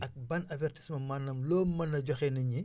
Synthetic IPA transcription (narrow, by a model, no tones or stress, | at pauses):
ɐk̚bɐnɐvɛrti̥smɐmanːɐmlɔːmɐnɐɟɔxɛnɐɲi